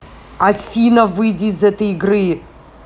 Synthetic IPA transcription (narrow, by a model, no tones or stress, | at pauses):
afʲinɐvɨjdʲizɛtɐjiɡrɨ